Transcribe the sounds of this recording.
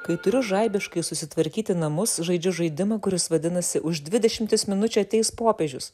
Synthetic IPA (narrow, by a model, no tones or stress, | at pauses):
kɐɪt̪ʊɾʲʊʒɐˑɪbʲɪʃkɐɪsʊsʲɪt̪ʋɐɾʲkʲiːt̪ʲɪnɐmʊsʒɐɪd͡ʒʲʊʒɐɪd̪ʲɪmɐkʊɾʲɪsʋɐd̪ʲɪnɐsʲɪʔʊʒd̪ʲʋʲɪd̪ʲɛʃʲɪmʲt̪ʲɪsmʲɪnʊt͡ʃʲuɐt̪ʲɛɪspoːpʲeːʒʲʊs